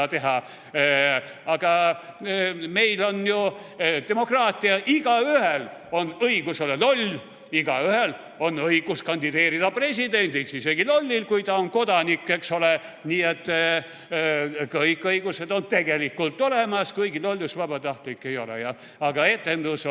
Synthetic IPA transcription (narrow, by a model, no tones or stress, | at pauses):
t̪e̞ɦɑ | ɑɡ̥ɑ | me̞jlo̞nju | t̪e̞mo̞krɑːt̪ʲːˑiɑʔiɡ̥ɑyhelo̞nɤiɡ̥usolelo̞lʲ | iɡ̥ɑyɦhel | o̞nːɤiɡ̥uskɑnʲd̪̥id̪e̞ːɾid̪ɑpre̞s̬ʲid̪e̞nʲd̪̥ilsiseɡ̥ilo̞lʲːilkujt̪ɑonko̞d̪̥ɑnikːekso̞le | niːet̪ː | kɤjkːɤiɡ̥use̞d̪o̞nt̪e̞ɡe̞likːult̪ːˑo̞lemɑskɤjɡilolʲːusvɑb̥ɑt̪ɑht̪likːe̞jo̞lḛjɑ | ɑɡ̥ɑe̞t̪ːˑe̞nd̪us